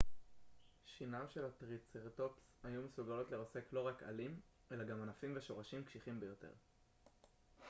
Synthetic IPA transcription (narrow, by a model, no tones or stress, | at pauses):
ʃinamʃe̞latʁit͡seʁt̪o̞pshajumesuɡalo̞t̪leʁose̞klo̞ʁaka̰lim | e̞laɡamanafimveʃo̞ʁaʃimkʃiχimbejo̞te̞̰ʁ